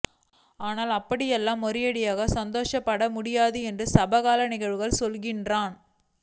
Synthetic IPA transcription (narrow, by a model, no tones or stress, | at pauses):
aːnaːlɐpːɐɽɪjɛlːaːmːɔɾɪjɐɽɪjaːɣɐsɐnd̪oːʂɐpːɐɽɐmʊɽɪjaːðɯɛndrɯsɐbɐɣaːlɐnɪɣɐɻʋɯɣɐɭsɔlɣɪndraːn